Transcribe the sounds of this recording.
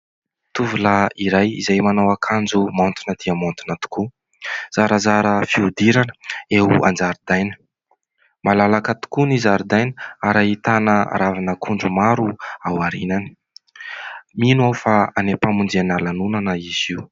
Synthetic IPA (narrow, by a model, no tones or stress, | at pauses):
t̪uvulaiɾajḭzajmanowakʰand͡zumant̪unəd̪̥iəmant̪unət̪u̥ku | z̥aɾəzaɾəfiud̪iɾanə̥eua̰nd͡zaɾud̪ajnə̥ | malalakət̪u̥kunizaɾud̪ajnəaɾait̪anə̰ɾavanəkʰuɳɖ͡ʐumaɾuawaɾinani̥ | minuawfaanepamund͡zeanalanunanəiziu